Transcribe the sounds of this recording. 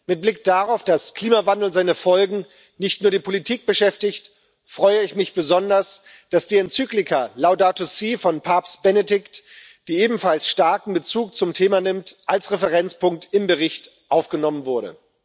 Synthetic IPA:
mɪt̚b̥lɪk̚d̥aʁaʊfd̥askl̥iːmavandl̩zaɪnəfɔlɡŋ̩ | nɪçtnuːɐdiːpʰolitʰiːk̚b̥əʃɛftɪçt | fʁ̥ɔʏəɪçmɪçb̥əzɔndɐs | d̥asd̥iːɛnt͡syːklɪkʰalaʊdaːtosiːfɔnpʰaɐpsb̥ɛnedɪkt | d̥iːeːbm̩falsʃtaɐkŋ̩bət͡suːk̚t͡sʊmtʰeːmanɪmtʔalsʁɛfəʁɛnt͡spʊŋk̚tɪmbəʁɪçt | ʔaʊfɡ̥ənɔmənvʊɐɾə̰

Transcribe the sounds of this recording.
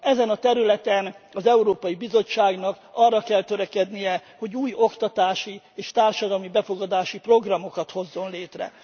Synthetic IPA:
ɛzɛnɒt̪ɛɾylɛt̪ɛnɒzɛuɾoːpɒjibizo̞t͡ʃːaːɡnɒkɒrːɒkɛlt̪ø̞ɾɛkɛd̪nijɛho̞ɟuːjo̞kt̪ɒt̪aːʃi | eːʃt̪aːrʃɒd̪ɒlmibɛfo̞ɡɒd̪aːʃipro̞ɡrɒmo̞kɒt̪ho̞zːo̞nleːt̪rɛ̰

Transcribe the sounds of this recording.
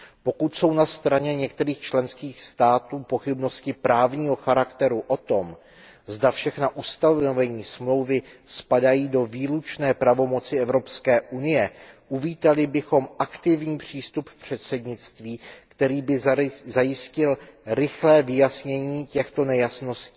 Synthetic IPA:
po̞kut̪so̞wnast̪ɾaɲɛɲɛk̚t̪ɛɾiːxt͡ʃlɛnskiːxst̪aːt̪uːpo̞xɪbno̞scɪpɾaːvɲiːɦo̞xaɾakt̪ɛɾuʔo̞t̪o̞m | zdafʃɛxnaʔust̪avnovɛɲiːsmlo̞wvɪspadajiːdo̞viːlut͡ʃnɛːpɾavo̞mo̞t͡sɪɛvɾo̞pskɛːʔunɪjɛʔuviːt̪alɪbɪxo̞mʔakt̪ɪvɲiːpr̝̥iːst̪uppr̝̥ɛt̪sɛd̪ɲɪt͡st̪viːkt̪ɛɾiːbɪzajɪscɪlɾɪxlɛːvɪjasɲɛɲiːcɛxt̪o̞nɛjasno̞scɪ̥

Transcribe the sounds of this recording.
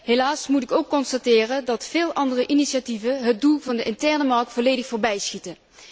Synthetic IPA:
ɦelaːsmutɪkowkːɔnstatɪːrədɑtfɪːlˠʔɑndərəʔiniʃativənɦəd̚dulˠvɑndəʔɪntɛɹnəmɑrk̚tfolejdəxfoːɹbɛjsxitə

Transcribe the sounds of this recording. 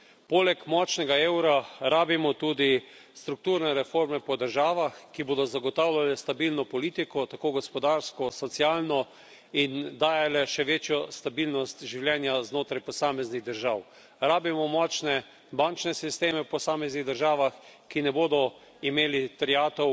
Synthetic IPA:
polɛkmɔt͡ʃnɛɡaeːwɾaɾaːbimɔt̪uːd̪i | st̪ɾuk̚t̪uːɾnɛɾɛfoːɾmɛpɔd̪əɾʒaːʋaxkiboːd̪ɔzaɡɔt̪awlʲjalɛst̪abilnɔpɔliːt̪ikɔt̪akoːɡɔspɔd̪aːɾskɔsɔt̪siaːlnɔ | ind̪aːjalɛʃɛʋeːt͡ʃjɔst̪abilnɔst̪ʒiwljɛːnjaznoːt̪ɾajpɔsaːmɛzniɣd̪əɾʒaw | ɾaːbimɔmɔt͡ʃnɛ | bant͡ʃnɛsist̪eːmɛwpɔsaːmɛzniɣd̪əɾʒaːʋaxkinɛboːd̪ɔ | imeːlit̪ɾiaːt̪ɔ

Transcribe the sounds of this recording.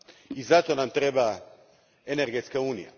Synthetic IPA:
izat̪onamt̪ɾɛba | eneɾɡet̪skauːnḭja̰

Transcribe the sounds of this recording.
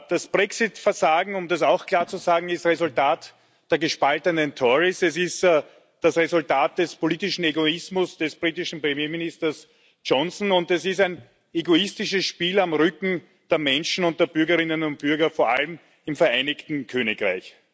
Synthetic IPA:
d̥asb̥ʁɛksɪtfɛɐzaːɡŋ̩ʊmdasaʊxkʰl̥aːɐt͡suzaːɡŋ̩ɪstʁezʊltaːt | d̥eːɐɡəʃpaltənəntʰɔʁisɛsɪst | d̥asʁezʊltaːt̚d̥ɛspoliːtɪʃn̩eɡoɪsmʊsd̥ɛsb̥ʁiːtɪʃn̩pʁ̥emjeːmɪnistɐs | t͡ʃɔnsn̩ʊntɛsɪstæɪn | eɡoɪstɪʃəsʃpiːlamʁʏkŋ̩ | d̥eːɐmɛnʃn̩ʊnt̚d̥eːɐbʏɐɡɐʁɪnənʊnt̚b̥ʏɐɡɐfoːɐʔa̰lm | ɪmfɛɐʔæɪnɪktn̩kʰøːnɪkʁaɪç

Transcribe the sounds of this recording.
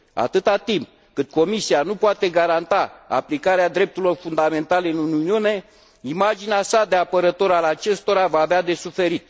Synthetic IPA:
a̰t̪ɨt̪at̪imp̚ | kɨt̪̚ko̞misianupoat̪e̞ɡaɾant̪aa̰plikaɾead̪ɾe̞p̚t̪uɾilo̞rfund̪ame̞nt̪aleɨnununiune̞ | imad͡ʒineasad̪eapəɾət̪o̞ɾalat͡ʃe̞st̪o̞ɾavaːvead̪e̞sufe̞ɾit̪

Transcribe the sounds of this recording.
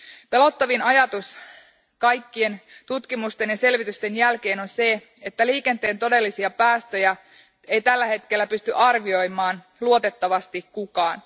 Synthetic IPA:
pe̞lo̞t̪ːɑʋinɑjɑt̪us | kɑjkːie̞nt̪ut̪kimust̪e̞njɑse̞lʋit̪yst̪e̞njælke̞ːnonse̞ | et̪ːæliːke̞nt̪e̞ːnt̪o̞de̞lːisiɑpæːst̪ø̞jæ | ejt̪ælːæhe̞t̪k̟e̞lːæpyst̪yʔɑrʋio̞jmɑːn | luo̞t̪e̞t̪ːɑʋɑst̪ikkukɑːn

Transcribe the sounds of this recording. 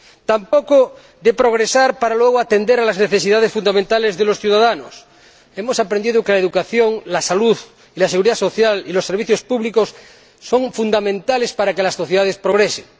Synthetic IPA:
t̪ampoko | d̪epɾoɣ̞ɾesaɾpaɾalweɣ̞oat̪end̪eɾalazneθesiðað̞esfund̪amẽnt̪alezðelosθjuðaðanos | emosapɾẽnd̪iðokelaeðukaθjoŋlasaluð | ilaseɣuɾiðaso̞θjalilosːeɾβiθjospuβlikosː | oŋfund̪amẽnt̪alespaɾakelasːoθjeðaðespɾoɣ̞ɾeseŋ

